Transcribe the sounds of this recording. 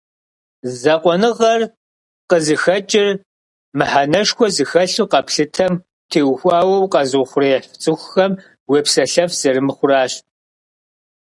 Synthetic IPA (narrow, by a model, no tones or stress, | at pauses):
zɐqʷɔnɨʁɐr | qəzɨxɐt͡ʃʼɪr | mɨħanɐʂxʷɔzɨxɐɬuqɐpɬɨtʰɐm | tʰeːwxʷɑːwɐwqɐzʊχʷʊreħt͡sʼɨxʷxɐm | wepsɐɬɐfz̥ɐɾɨmɨχʷʊraːɕ